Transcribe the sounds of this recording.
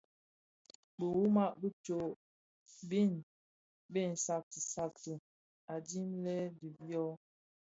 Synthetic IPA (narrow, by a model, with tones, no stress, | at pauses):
bə˨wu˦ma˦˨ʔbi˦t͡ʃo˨ʔ | bi˦˨n | be˦˨n̩˨sa˨k̚ti˨sa˦˨k̚tə˨ | a˨di˦mlɛ˦di˨bjɔ˦